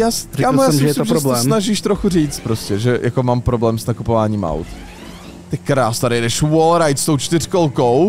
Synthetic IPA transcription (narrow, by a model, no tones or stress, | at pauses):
jaːsɾɛkammjasmɪsɪmʒɛɾblɛsnaʒiʃt̪ɾoxuriːt͡st̪̚pɾoscɛʒɛjʔakomaːmpɾo̞blɛːmsnakupovaːɲiːmʔa̰wt̪ | t̪ɛkkːɾaːst̪adɪjɛdɛʃwolɾajt̪st̪o̞wt͡ʃt̪ɪr̥kolkow